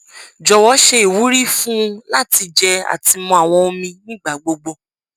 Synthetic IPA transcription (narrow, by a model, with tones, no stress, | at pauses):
d͡ʒɔ˨wɔ˨˧˦ʃe˧i˨wu˨˦ɾi˦fũ˦˧la˦ti˧d͡ʒɛ˧a̰˨ti˧mɔ̃˧a˨w̃ɔ̃˧o˧mĩ˧nĩ˦ɡ͡ba˦˨ɡ͡bo˧ɡ͡bo˧